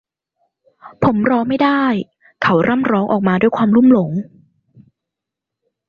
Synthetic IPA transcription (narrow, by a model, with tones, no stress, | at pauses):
pʰo˩˦mɾɔː˧˥ma˥˩jdaː˥˩j | kʰa˦˥wɾa˥˩mɾɔː˦˥ŋʔɔ̰ː˨˩k̚maː˧duː˥˩jkʰwaː˧mluː˥˩mlo˩˦ŋ